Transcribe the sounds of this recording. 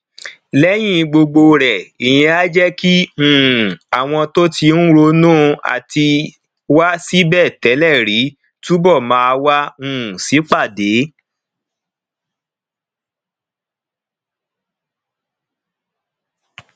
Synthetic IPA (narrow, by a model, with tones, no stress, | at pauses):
lɛ˦j̃ĩ˦ɡ͡bo˧ɡ͡bo˧ɾɛ˨i˨j̃ĩ˧a˦d͡ʒɛ˦kĩ˦˨ | a˨w̃ɔ̃˧to˦tʰi˧n̩˦ɾo˧nũː˦a̰˨tʰi˧ | wa˦si˦bɛ˦˨tɛ˨˦lɛ˦˨ɾi˨˦ | tu˦bɔ˦˨mãː˧˦a˧wa˦ũ˦˨si˨˦k͡pa˦˨de˨˦